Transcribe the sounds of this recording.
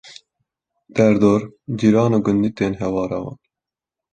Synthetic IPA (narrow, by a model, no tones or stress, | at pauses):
d̪̥ɛɾd̪oːɾd͡ʒiɾɑːnuːɡʊnd̪it̪eːnɦɛwɑːɾɑwɑ̰ːn